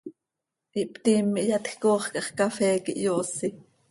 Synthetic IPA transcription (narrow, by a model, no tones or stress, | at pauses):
ʔiʔpt̪imːiʔjɑt̪xkoːχkʼɑχkɑfɛːkḭʔjoːsi